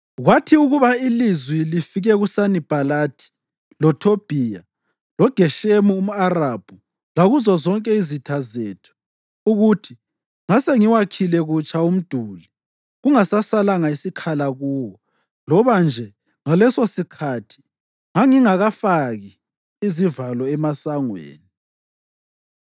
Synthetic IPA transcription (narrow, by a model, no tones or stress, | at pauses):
ɣwatʰiuɣuβailizwilifiɣɛɣusanib̥ʱalaːtʰi̥ | lɔtʰob̥ʱija | lɔɡ̥ʱɛʃemuum̩arab̥ʱu | laɣuzɔzɔŋkʼɛizitʰazeːtʰu̥ | uɣutʰi | ŋaseŋiwakʰilɛɣut͡ʃʰʼaum̩d̥ʱuːli | ɣuŋasasalaŋaisikʰalaɣuːwɔ | lɔβand͡ʒʱɛ | ŋalɛsosikʰatʰi̥ | ŋaŋiŋaɣafaɣi | izivalɔɛmasaŋwḛːni